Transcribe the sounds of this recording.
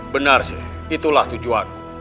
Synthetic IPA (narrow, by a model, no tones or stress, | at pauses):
bənarsɪ̰ | it̪ulaht̪ud͡ʒuan